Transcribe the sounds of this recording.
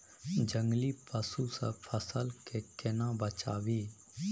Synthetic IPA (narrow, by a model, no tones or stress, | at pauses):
d͡ʒə̃ŋɡlipəsusə̰pʰəsəlkekɪnãbət͡ʃa̰ːʋiː